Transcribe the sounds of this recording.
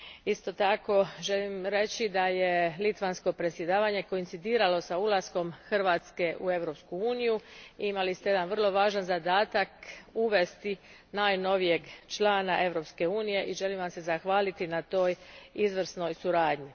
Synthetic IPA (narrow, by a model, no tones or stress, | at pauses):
ist̪o̞t̪ako̞ʒe̞limɾe̞t͡ɕid̪aje̞lit̪ʋansko̞pɾesje̞d̪aːʋaɲe̞ko̞int̪id̪iːɾalo̞saulˠasko̞mxr̩ʋaːt̪ske̞ʔue̞ʋɾo̞pskuuːnijuimalist̪ejed̪anʋr̩lˠo̞ʋaːʒanzad̪aːt̪akuʋe̞st̪i | naːjno̞ʋije̞ɡt͡ʃlˠaːnaʔe̞ʋɾo̞pske̞uːnije̞ʔiʒe̞limʋamse̞zaxʋaːlit̪inat̪o̞ːjizʋr̩sno̞jsuɾaːd̪ɲi